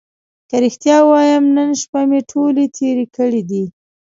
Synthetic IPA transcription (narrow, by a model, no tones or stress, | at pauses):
kaɾɪxt̪jɑwɑjamnənʃpameʈʰolet̪ʰeɾikəɽid̪i